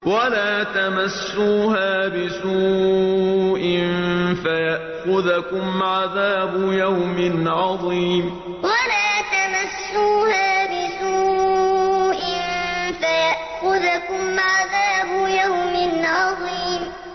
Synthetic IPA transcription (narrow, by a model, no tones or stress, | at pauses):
walaːt̪amasːuːɦaːbɪsuː | ʔɪnfajaʔxʊðkʊmʕaðaːbʊjawmɪnʕɑðˤiːm | walaːt̪amasːuːhaːbɪsuː | ʔɪnfajaʔxʊðkʊmʕaðaːbʊjawmɪnʕɑðˤiːm